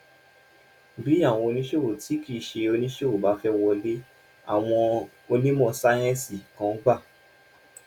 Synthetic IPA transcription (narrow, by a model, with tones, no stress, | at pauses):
bi˨˦a˦˨w̃ɔ̃˧o˧nĩ˦ʃe˦wo˨ti˨˦ki˦˨ʃe˧o˧nĩ˦ʃe˦wo˨ba˨˦fɛ˦wɔ˧le˦ | a̰˦˨w̃ɔ̃˧ | o˧li˦mɔ̃˦˧˨sa˦j̃ɛ̃˦si˦˨kã˨˦ɡ͡ba˦˨